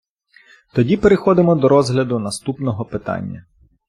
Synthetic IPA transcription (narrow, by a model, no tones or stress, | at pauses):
t̪ɔdʲipeɾexɔd̪ɪmɔd̪ɔɾɔzɦlʲɐd̪ʊnɐst̪upnɔɦɔpɪt̪ɑ̰nʲːɐ